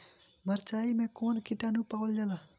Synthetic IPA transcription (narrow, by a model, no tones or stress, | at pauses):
məɾt͡ʃaːimẽkoːnkiʈanũpaːwld͡ʒala